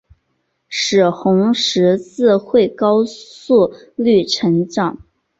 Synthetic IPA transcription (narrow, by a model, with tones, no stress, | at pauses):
ʂɻ̩˨˩xʊ˧˥ŋʂɻ̩˧˥t͡sɹ̩˥˧xwe˥˩ɪkɑ˥ʊsu˥˧ | ly˥˩ʈ͡ʂʰə˧˥ŋʈ͡ʂɑ˨˩˦ŋ